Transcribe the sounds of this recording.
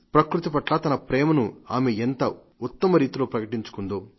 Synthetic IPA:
pɾɐkɾut̪ipɐʈlɐːt̪ɐnɐpɾɛːmɐnuaːmeent̪ɐ | ut̪ːɐmɐɾiːt̪ilo̞ːpɾɐkɐʈiɲt͡ʃu̥kund̪oː

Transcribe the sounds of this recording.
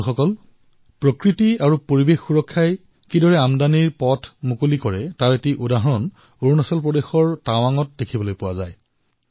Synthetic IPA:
xɔkɔl | pɹokɹitiaɹupoɹibexːuɹɔkʰːaj | kidɔɹɛamdaniɹpɔtʰmukolikɔɹɛtaɹetiʔudaɦɔɹɔn | oɹnɔsɔlpɹɔdexɔɹtawaŋɔt̚dekʰibɔlojpʊwazaj

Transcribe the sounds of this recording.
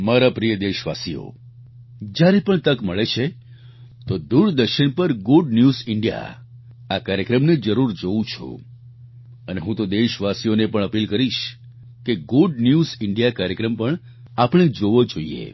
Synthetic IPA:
maɾapɾijəd̪eʃʋa̰sijo̰ | d͡ʒjaɾepəɳt̪əkməɭet͡ʃʰe | t̪od̪uɾd̪əɾʃəɳpəɾɡuɖ̚njuzɪɳɖija̰ | akaɾjəkɾəmned͡ʒəɾuɾd͡ʒoũt͡ʃʰṵ̃ | əneɦũt̪od̪eʃʋasijonepəɳ̃əpilkəɾiʃ | keɡuɖnjuzɪɳɖijakaɾjəkɾəmpəɳ | apɽ̃ed͡ʒoʋod͡ʒoiḛ

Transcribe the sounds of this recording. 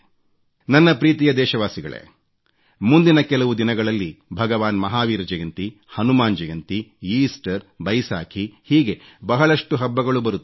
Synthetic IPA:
nɐnːɐpɾiːt̪ijɐd̪ɛːʃɐʋaːsiɡɐ̰ɭḛ | mund̪inɐkɛlɐʋud̪inɐɡɐɭɐlːibʱɐɡɐʋaːnmɐɦaːʋiːɾɐd͡ʒɐjɐnt̪i | hɐnumaːnd͡ʒɐjɐnt̪iiːsʈɐɾ | bɐjsaːkʰihiːɡe̞bɐɦɐɭɐʂʈuɦɐbːɐɡɐɭubɐɾut̪ːu

